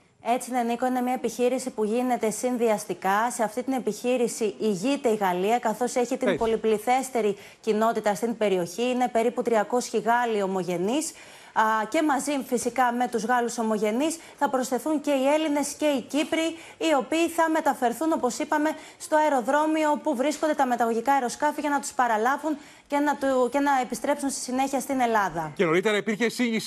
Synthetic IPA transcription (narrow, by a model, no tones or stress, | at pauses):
e̞t͡sineniko̞ine̞mɲɐepiçiɾisipuʝine̞t̪e̞sinðiɐst̪ikɐse̞ɐft̪it̪ine̞piçiɾisiiʝit̪e̞iɣɐliɐkɐθo̞se̞çit̪impo̞lipliθe̞st̪e̞ɾi | cino̞t̪it̪ɐst̪inibe̞ɾio̞çiine̞pe̞ɾiput̪ɾiɐko̞sçiɣɐlio̞mo̞ʝe̞nis | ce̞mɐzifisikɐme̞t̪uzɣɐluso̞mo̞ʝe̞nis | θɐpɾo̞sθe̞θuɲce̞ie̞line̞sce̞icipɾiː | o̞piːθɐme̞t̪ɐfe̞ɾθuno̞po̞sipɐme̞ | st̪o̞ɐeɾo̞ðɾo̞mio̞puvɾiskond̪et̪ɐme̞t̪ɐɣo̞ʝikɐeɾo̞skɐfiʝɐnɐt̪u̥spɐɾɐlɐvun | cenɐt̪ce̞nɐepist̪ɾe̞psunst̪i̥sine̞çiɐst̪ine̞lɐðɐceno̞ɾit̪eɾɐipiɾçesiɲʝis